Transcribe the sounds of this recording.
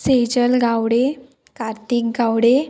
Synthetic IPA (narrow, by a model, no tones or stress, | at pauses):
sed͡ʑəlɡawɽe | kaɾt̪ikɡawɽe